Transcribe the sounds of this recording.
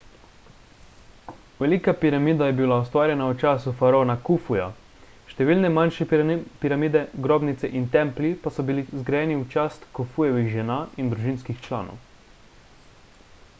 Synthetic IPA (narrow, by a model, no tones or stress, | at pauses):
ʋɛlikapiɾamiːd̪ajɛbilaɔst̪ʋaːɾjɛnaut͡ʃaːsufaɾoːnakufuja̰ | ʃt̪ɛʋiːlnɛmanʃɛpiɾamiːd̪ɛɡɾoːbnit̪sɛʔint̪ɛmplipasɔbilizɡɾajɛːniut͡ʃaːst̪kufujɛʋixʒɛnaːʔind̪ɾuʒinskixt͡ʃla̰ːno̰w